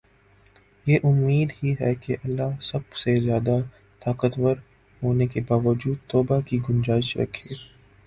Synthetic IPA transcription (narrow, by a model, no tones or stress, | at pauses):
jeːʔʊmːiːd̪ɦiɦɛ̰keʔɐlːasɐbsezjaːd̪a | t̪aːkət̪wəɾ | ɦoːnekebaːʋəd͡ʒuːd̪̚t̪ɔːbakiɡʊnd͡ʒaːɪʃɾɐ̰kʰeː